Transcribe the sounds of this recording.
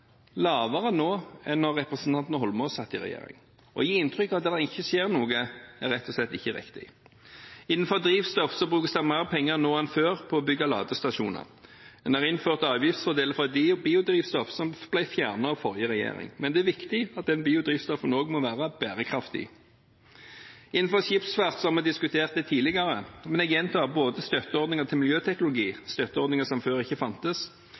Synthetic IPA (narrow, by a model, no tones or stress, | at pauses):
lɑːʋəʁənoːɛnɔʁːɛpɾɛsn̩t̪ʰɑnt̪nhɔlmɔsɑt̪ːɪʁɛ̰jḛːɾɪ̰ŋ | ʔɔ̰jiːɪnt̪ʰʁʏkːɑʋd̪eːd̪ɛɪçːəsjeːʁnuːɡəæɾʁɛt̪ʰːɔslɛt̪ːɪçːəɾɪ̰kt̪ɪ̰ | ɪnːn̩fɔʁd̪ɾiːʋst̪ɔfsɔbʁʉːkəsd̪æmɑʁəpʰɛŋːəʁnoːɛnføːʁpʰɔːbʏɡɑlɑ̰ːd̪əst̪ɑʃṵːnə̰ʁd̪ɛnæʁɪnføːʁt̪ɑːʋjɪft̪sfɔʁd̪eːləfʁɔd̪biːʊd̪ɾiːʋst̪ɔfsɔmb̥læɪfjæːʁnəɔfɔʁjəʁɛjḛːʁɪ̰ŋmɛnd̪ɛæʋɪkt̪ɪɑt̪̚d̪ɛnbiːʊd̪ʁiːʋst̪ɔfənoːɡmɔʋæːʁəb̥æːʁəkʰʁɑft̪ɪ̰ | ɪnːn̩fɔʃɪpsʋæʁt̪sɔhɑmɛd̪ɪskʉt̪ʰeːʁt̪̚d̪ɛːt̪ʰiːlɪɡɑʁəmɛnɛɡjɛnt̪ʰɑːboːd̪əst̪œt̪əɔʁd̪nɪŋəʁt̪ʰɪlmɪljøːt̪ʰɛknʊlʊɡiːst̪œt̪ːəɔɾd̪nɪŋəsɔmføːʁɪçːəfɑnt̪əs